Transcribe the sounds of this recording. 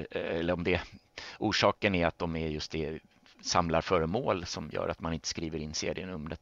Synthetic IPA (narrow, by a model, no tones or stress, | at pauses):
ɛlːəɾɔmd̪ɛ | uːʂɑːkənæɾat̪̚d̪ɔmæɾjɵst̪̚d̪ɛ | samlaɾfœːɾəmoːlsɔmjœ̰ːɾʔat̪manɪnt̪ə̥skɾiːvəɾɪnːsḛːɾɪənɵmɾət̪